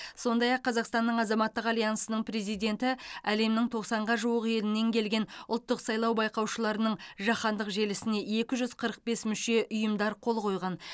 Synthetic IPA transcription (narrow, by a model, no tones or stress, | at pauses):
so̞nd̪ɑjɑqʰːɑzɑqst̪ɑnːəɴɑzɑmɑt̪ːəqɑlˠijɑnsənəɴpʰɾe̞zijd̪e̞nt̪ɪæle̞mnɪŋt̪ʰo̞qsɑɴʁɑʒuwəqe̞lɪnːe̞ŋkʲʰe̞lɡʲe̞nʊlˠt̪ːəqsɑjlˠɑwbɑjqɑwʃəlˠɑɾənəɴʒɑχɑnd̪əqʒe̞lɪsɪne̞e̞kʲɪʒʏz̥qʰəɾəq̚be̞smʏʃe̞ʔʊjəmd̪ɑɾqʰo̞lˠqʰo̞jʁɑn